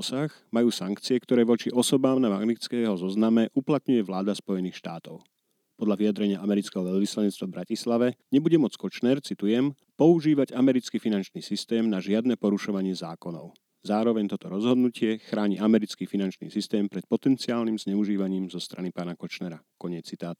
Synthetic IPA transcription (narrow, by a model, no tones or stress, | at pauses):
saɣ | majuːsaŋkt͡siɛkt̪ɔɾɛːʋɔt͡ʃiʔɔsɔbaːmnamaɡnit͡skɛɦɔzɔznamɛʔuplat̪ɲujɛʋlaːd̪aspɔjɛniːxʃt̪aːt̪ɔʊ | pɔd̪lʎaʋijad̪ɾɛɲɪaʔamɛɾit͡skɛːɦɔʋɛʎʋislaɲɛt͡st̪ʋavbɾacislaʋɛɲɛbuɟɛmɔt͡skɔt͡ʃnɛɾt͡sit̪ujɛm | pɔuʒiːʋaɟamɛɾit͡skifinant͡ʃniːsist̪ɛːmnaʒɪad̪nɛːpɔɾuʃɔʋaɲɪɛzaːkɔnɔ̰ʊ | zaːɾɔʋɛɲt̪ɔt̪ɔɾɔzɦɔd̪nucɪɛxɾaːɲiamɛɾit͡skiːfinant͡ʃnḭːsist̪ɛːmpɾɛt̪̚pɔt̪ɛnt͡siaːlnimzɲɛuʒiːʋaɲiːmzɔst̪ɾanipaːnakɔt͡ʃnɛɾakɔɲɪɛt͡sːit̪aːt̪